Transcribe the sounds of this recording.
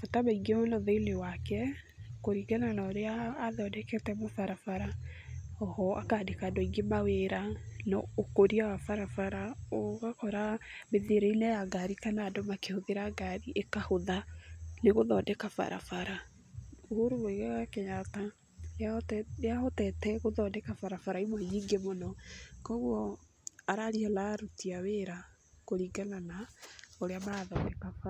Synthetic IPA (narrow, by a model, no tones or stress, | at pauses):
fotamaiɡemnɔðeilewakɛ | koɾiɡɛnanɔɾeaːðɔdɛkɛtɛmofaɾafaɾa | ɔhɔakaːdekadɔiɡemaweɾanɔ̰okoɾiawafaɾafaɾaoɣakɔɾameðeɾeinɛjaɡaɾikanadɔmakehoðeɾaɡaɾiʔekahoðaneɣoðɔːdɛkafa̰ɾʔa̰faɾa | ohoɾueiɣaakeɲata | atjahɔtɛtɛɣoðɔdɛkafaɾafaɾaimwɛɲiŋɡemonɔkɔɣwɔ | aɾaɾialaɾutiaweɾa | koɾiɡananaoɾeamaaðɔːndɛkafa